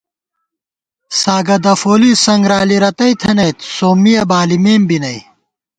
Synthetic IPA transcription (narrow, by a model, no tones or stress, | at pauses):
saːɡɐd̪ɐfoːlisɐŋɡɾaːliɾɐt̪ɐit̪ʰɐnɐjt̪soːmːijɐbaːlimeːmbinɐj